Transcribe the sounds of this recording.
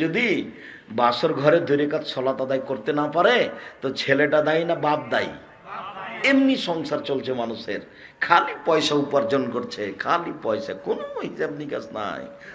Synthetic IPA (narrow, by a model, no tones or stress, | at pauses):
od̪i | basɔɾɡʱɔɾed̪ʱoɾekat̪sʰɔlat̪ad̪ajkoɾt̪enapaɾet̪ɔt͡ʃʰeleʈad̪ajnabab̚d̪a̰j | emnisɔŋsaɾt͡ʃolt͡ʃʰemanuseɾ | kʰalipɔjsaupaɾd͡ʒɔnkoɾt͡ɕʰekʰalipɔjsa̰konoɦisabnika̰sna̰j